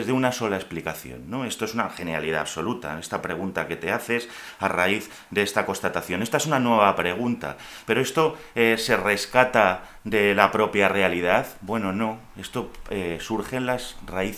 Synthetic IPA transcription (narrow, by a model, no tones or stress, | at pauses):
zðeunaso̞lae̞splikaθjo̞̰nːo̞e̞st̪oe̞sunaxe̞nea̰liða̰ːβso̞lut̪a̰e̞st̪apɾe̞ɣ̞unt̪ake̞t̪e̞aθe̞s | ara̰iθ | d̪eest̪akonst̪at̪aθjo̞ne̞st̪aesunanwe̞β̞apɾe̞ɣ̞unt̪a̰ | pe̞ɾo̞est̪o̞ | ese̞re̞skat̪a | ðe̞lapɾo̞pjare̞alið̞aðbwe̞no̞no̞ | e̞st̪o̞esuɾχe̞nlasraiθ